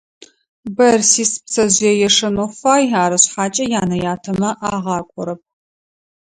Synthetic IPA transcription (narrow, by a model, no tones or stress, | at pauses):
bɐrsiːspsɐʑjɛjɛʂɐnofaːjaːɾɐɕħaːt͡ʃʼɐjaːnɐjaːtʰɐmɐʔaːʁɑːkʷʼɔɾɐp̚ʰ